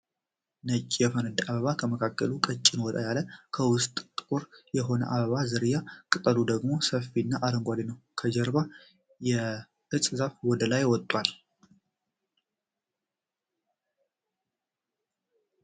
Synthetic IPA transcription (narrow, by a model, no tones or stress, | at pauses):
nət͡ʃʼːijɛfənəd̪ʔaβəβakʰəməkʰakːəlukʼət͡ʃʼːɪnwɔd̪ʼa̰jaləkʰəwʊst̪ʼt̪ʼkʼʊɾjɛɦo̞nə̰ʔaβəβazɨɾjakʼɨt̪ʼəlud̪əɡmo̞səfːinːaʔaɾəŋɡʷad̪inəwkʰəd͡ʒɛɾba | jɛ | ʔɨsʼzafwɔd̪əlajwɔt̪ʼːwal